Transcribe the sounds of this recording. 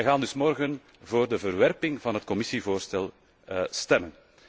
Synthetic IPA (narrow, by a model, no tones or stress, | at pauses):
ɛjɣaːndʏsmɔrɣən | voːrdəvərʋɛrpɪŋvɑnɦətkɔmɪsivoːrstɛlˠ | stɛmən